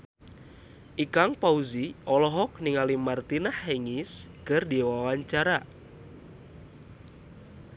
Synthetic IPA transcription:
ʔikaŋpauziʔɔlɔɦɔk̚niŋalimart̪inahːeŋiskərdiwawaɲt͡ʃaɾa

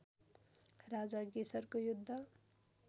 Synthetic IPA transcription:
rad͡zaɡesʌrkojud̪ʱːʌ

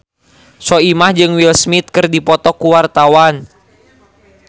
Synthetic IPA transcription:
sɔimahd͡ʒɨŋwilsmit̪̚kɨrdipɔt̪ɔkuwart̪awan

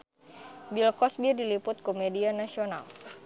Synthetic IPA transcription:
bilkɔsbirdilipʊt̪̚komedianasiona̰l

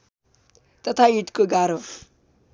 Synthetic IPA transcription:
t̪ʌt̪ʰaiʈkoɡaɾo

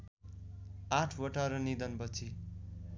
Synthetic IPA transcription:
aʈʰwʌʈaɾʌnid̪ʌnbʌt͡sʰi

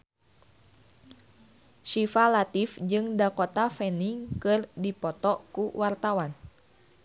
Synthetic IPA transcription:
ʃifalat̪ifd͡ʒɨŋdakɔt̪afɛniŋkɨrdipɔt̪ɔkuwart̪awan

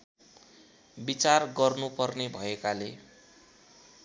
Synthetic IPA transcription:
bit͡sarɡʌrnupʌrnebʱʌekale

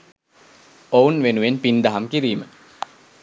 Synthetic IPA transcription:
ounʋenuʋenpind̪ɐɦamkiɾiːmə

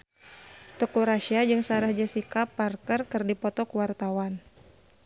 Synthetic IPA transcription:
t̪ɔkuɾaʃiad͡ʒɨŋsaɾahd͡ʒasikapːarkərkɨrdipɔt̪ɔkuwart̪awan

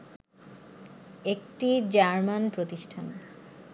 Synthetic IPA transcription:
ekʈid͡ʑaɾmanpɾot̪iʃʈʰan

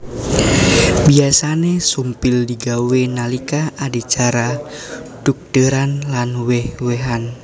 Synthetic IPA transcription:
biasanesumpɪldiɡawenalikaadit͡ʃaɾa | d̥uk̚d̥əɾanlanwɛhweɦan

